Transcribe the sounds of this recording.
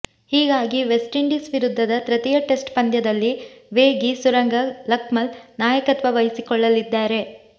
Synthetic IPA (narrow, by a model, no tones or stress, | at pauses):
hiːɡaːɡiʋesʈiɳɖisʋiɾud̪ʱːɐd̪ɐt̪ɾɐt̪ijɐʈe̞sʈpɐnd̪jɐd̪ɐlːiʋeːɡisuɾɐŋɡɐlɐkmɐlnaːjɐkɐt̪ʋɐʋɐjisikɔɭːɐlid̪ːaːɾe̞